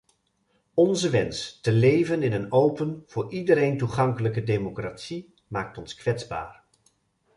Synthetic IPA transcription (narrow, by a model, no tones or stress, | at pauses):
ɔnzəʋɛnstəlejvənɪnənowpənv̥ʊːɹidəɾejntuχɑŋkələkədejmokraːtsi | maːk̚tɔnskʋɛtzba̰ːr